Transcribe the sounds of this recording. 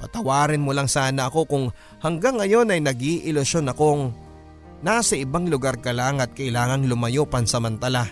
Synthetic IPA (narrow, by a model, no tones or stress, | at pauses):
pɐt̪ɐwaːɾɪnmʊlaŋsaːnɐɐko̞kʊŋ | hɐŋɡaŋːɐjo̞nɐjnɐɡiʔɪlʊso̞nɐko̞ŋ | nasɐʔɪbaŋlʊɡaɾkɐlaːŋɐt̪̚kɐʔɪlaːŋɐŋlʊmɐjopɐnsɐmɐnt̪ɐla